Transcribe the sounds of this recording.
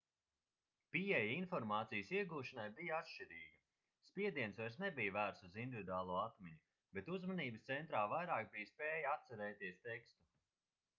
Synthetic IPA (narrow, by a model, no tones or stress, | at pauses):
piɛjinfɔɾmaːt̪sijsiɛɡuːʃanajbijat̪ʃt͡ʃiɾiːɡɐ | spʲiɛd̪iɛnsvajɾsnebijvæːɾt̪suzind̪ivid̪uaːlˠuɔat̪mʲɛɲu | bet̪uzmaniːbəst̪sɛnt̪ɾaːvajɾaːk̚bijspeːjat̪sɛɾɛːt̪iɛst̪ekst̪u